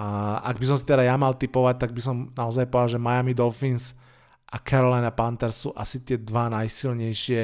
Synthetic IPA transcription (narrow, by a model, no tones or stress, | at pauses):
a̰ɡ̚bis̬ɔmsit̪ɛd̪ajamalt̪ipɔʋac̚t̪aɡ̚bisɔmnaɔzajpɔalʒɛmajamid̪ɔfins | ʔakʰaɾɔlajnapant̪ɛɾsṵːʔasit̪ɪɛd̪ʋanajsilɲɛjʃɪɛ